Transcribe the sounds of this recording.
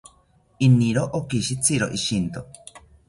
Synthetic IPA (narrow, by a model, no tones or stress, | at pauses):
iniɾoʔokiʃit͡sʰiɾoʔiʃint̪o